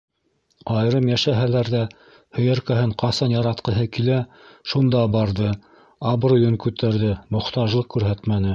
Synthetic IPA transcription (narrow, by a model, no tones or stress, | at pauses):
ɑjɾɤmjæʃæɦælæɾðæ | hɵ̆jæɾkæhɘɴqɑsɑnjɑɾɑt̪qɤ̆ɦɤkilæʃund̪ɑbɑɾðɤ | ɑbɾŏjɵŋkʉt̪æɾðɘmŏχt̪ɑʒlˠɤq̚kʉɾɦæt̪mænɘ